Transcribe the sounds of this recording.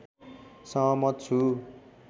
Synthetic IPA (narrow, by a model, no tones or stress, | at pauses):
sʌmʌt̪̚t͡sʰu